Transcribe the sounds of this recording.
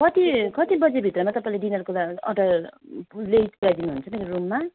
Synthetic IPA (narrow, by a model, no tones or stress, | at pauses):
kʌt̪ikʌt̪ibʌd͡zebʱit̪rʌmat̪ʌpaĩleɖinʌrkolaʌ̰ʈʌ | leitpuɾajd̪inuɦunt͡sʰʌmeɾorumːa